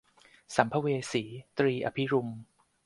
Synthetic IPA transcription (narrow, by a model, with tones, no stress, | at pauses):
sa˩˦mpʰa˦˥weː˧siː˩˦t̪ɾiː˧ʔa̰˧pʰi˦˥ɾu˧m